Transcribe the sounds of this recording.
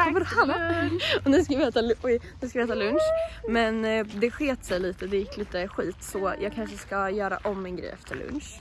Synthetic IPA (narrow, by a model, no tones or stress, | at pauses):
vɔɾhanaɔnʉskavɛːt̪alɔnʉskaɛːt̪alɵnʂmɛnd̪ɛɧeːt̪sɛjliːt̪əd̪ɛjɪkːliːt̪əɧiːt̪sɔjʔɑːɡkʰanʂəskajœːɾa̰ʔɔmːɛnɡɾɛ̰jːɛft̪ʰəɭɵ̰nʂ